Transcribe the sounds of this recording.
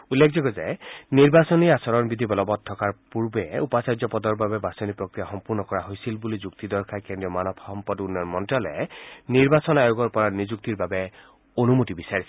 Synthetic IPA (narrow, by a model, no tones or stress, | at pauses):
ulːek̚ʰzɔɡɔzɛniɹbasɔniasɔɹɔnbid̪ʱibɔlɔbɔt̚tʰːɔkaɹpuɹbɛupasajd͡ʒzɔpɔd̪ɔɹbabɛbasɔnipɹɔkɹijaxɔmpuɹnɔkɔɹaɦojsilbulizukt̪id̪ɔɹkʰakendɹijɔmanɔpʰɔmpɔdunjɔnmɔntɹɔlɛ̰niɹbasɔnajoɡɔɹpɔɹanizuk̚t̪iɹbabɛ | onumutibisaɹis